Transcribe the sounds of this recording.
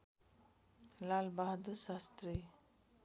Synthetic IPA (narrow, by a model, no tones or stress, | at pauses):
lalbaɦd̪usast̪ɾi